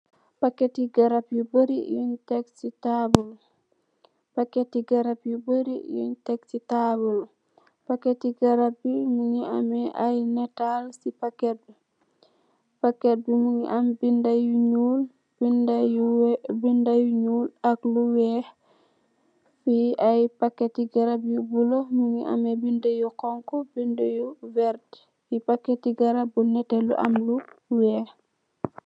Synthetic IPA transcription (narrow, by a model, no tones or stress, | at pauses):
pakːetiɡaɾapjuboɾijuɲtɛksitabul | pakːetiɡaɾapjuboɾijṵɲtɛksitabul | pakːetiɡaɾap̚bimuŋia̰mɛʔajnɛtalsipakɛt̚bɛ | pakːɛt̚bimuŋiʔambindajuɲuːl | bind | bindajuɲuːlakluwɛː | fiajpakːetiɡaɾabjibulɔmuŋiʔa̰mɛbindajukɔŋkɔbindəjuvɛɾt | fipakːɛtiɡaɾabunɛtɛlṵʔa̰mluwɛːh